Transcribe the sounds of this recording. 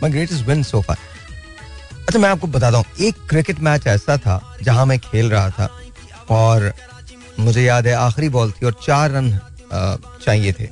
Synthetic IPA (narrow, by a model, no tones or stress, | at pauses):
maːɪɡɾeːʈɪzwɪ̃nsoːfʰa̰ː | ɐtːt͡ʃʰamɛ̃aːp̚kobɐt̪aːt̪̬aːɦũːeːkːɾɪkɪʈmɛːt͡ʃɛːsat̪ʰa̰d͡ʒɐɦãmẽkʰeːlɾɐɦat̪ʰa̰ː | ɔːɾ | mʊd͡ʒʱejaːd̪ɦɛaːxɾibɔːlt̪ʰiɔːɾt͡ʃaːɾːɐn | t͡ʃaːɦiet̪ʰḛː